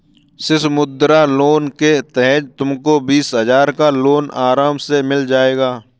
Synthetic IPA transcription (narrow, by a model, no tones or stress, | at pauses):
sɪsmʊd̪ɾaloːnket̪ɛɦɛt̪t̪ʊmkobiːsɦəzaːɾkaloːnaːɾaːmsemɪld͡ʒaːeːɡaː